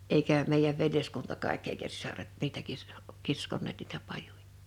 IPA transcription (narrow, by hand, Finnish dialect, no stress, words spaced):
eikæˑ meijæʋ ʋeljeskuntɑ kɑˑekː eˑikæ sisɑret niːtæ kis kiskonˑeːt niːtæ pɑjuj̊ɑ̥